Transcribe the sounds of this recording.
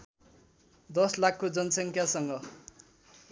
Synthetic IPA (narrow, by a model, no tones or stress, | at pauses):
d̪ʌslakʰːod͡zʌnsʌŋkʰjasʌŋɡʌ